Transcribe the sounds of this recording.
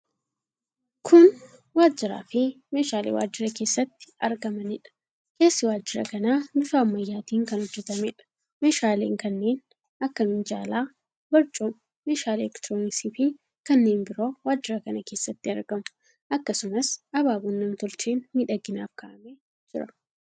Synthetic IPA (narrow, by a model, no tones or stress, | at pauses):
kʰʊn | waːd͡ʒːɪɾa̰ːfɪme̞ːʃaːlḛːwaːd͡ʒːɪɾɐke̞ːsːɐt̪ːɪ̥ɐɾɡɐmɐnɪᶑɐ̥ | ke̞ːsːɪwaːd͡ʒːɪɾɐ̰kɐnaːnʊfaːmːɐjːaːt̪iːŋkɐnhʊd͡ʒːɛt̪ɐmɛᶑɐ̥ | me̞ːʃaːlḛːŋkɐnːe̞ːn | ɐkːɐmɪnd͡ʒaːlaː | bɐɾt͡ʃʼoːm | meːʃaːlɛkt̪ɾoːnɪksiːfɪ | kɐnːe̞ːnbɪɾo̞ːwaːd͡ʒːɪɾɐkɐnɐkeːsːɐt̪ːɪɐɾɡɐmʊ̥ | ʔɐkːɐsʊmɐsʔɐbaːbʊnːɐmt̪ʊlt͡ʃeːnmiːᶑɐɡːɪnaːfkɐʔɐme | d͡ʒɪɾɐ